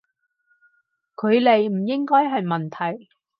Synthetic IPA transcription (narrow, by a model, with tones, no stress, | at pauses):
kʰɵ˨˧ɥle˨jm̩˨˩jɪ˥ŋkɔː˥jɦɐ˨jmɐ˨nt̪ʰɐ˨˩j